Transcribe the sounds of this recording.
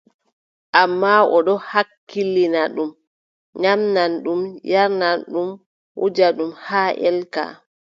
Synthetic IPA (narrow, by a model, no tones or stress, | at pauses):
ʔamːaɔɗɔhakːilinaɗum | ɲamnanɗumjaɾnanɗum | wṵd͡ʒaɗumhaːʔɛ̰lka̰